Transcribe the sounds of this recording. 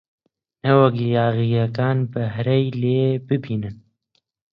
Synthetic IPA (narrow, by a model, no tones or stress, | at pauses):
nɛwɛɡijaːɣijɛkaːnbɛɦɾɛjleːbɨbiːnɨn